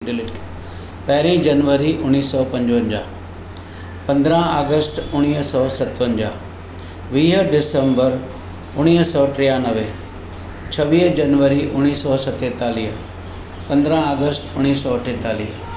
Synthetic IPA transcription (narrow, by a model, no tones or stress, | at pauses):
pɐɦɪɾĩd͡ʑɐnʋəɾiʔʊnːiːsɔːpɐ̃ɲd͡ʑʋə̃ɲd͡ʑa̰ː | pɐ̃nd̪ɾə̃ɦaːɡəsʈʊɽ̃iːɦsɔːsɐt̪ʋə̃ɲd͡ʑa̰ː | ʋiːɦəɖɪsə̃mbəɾ | ʊɽ̃iːɦsɔːʈɾijanɐʋe | t͡ɕʰɐʋiːɦd͡ʑɐnʋəɾiʔʊñːiːsɔsɐt̪eːt̪aːliːɦ | pɐ̃nd̪ɾə̃aːɡəsʈʊɽ̃iːsɔʈʰẽt̪aːliːɦ